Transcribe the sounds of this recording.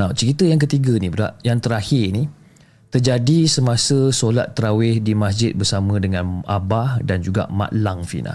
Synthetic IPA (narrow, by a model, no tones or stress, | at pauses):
awt͡ʃəɾit̪əjaŋk̬ət̪iɡanibəɾa̰ʔjaŋt̪əɾahɪrni | t̪ərd͡ʒadisəmãsəsolat̪ːəɾawɪhdimas̬d͡ʒɪt̪̚bərsamə̃dəŋãna̰bahdand͡ʒuɡa̰ʔma̰ʔlaŋfḭna̰